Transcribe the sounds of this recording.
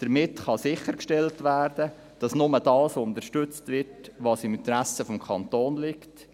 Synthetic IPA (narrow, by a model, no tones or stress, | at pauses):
d̥əɾmɪtχɑsɪχəɾkʃtɛltvæːɾdə | d̥ɑsnʊməd̥ɑːsʊnt̪əʃtʏt͡stvɪrtʋɑːsɪmɪnt̪əɾæsəfɔmkʰɑnt̪oːnlɪkt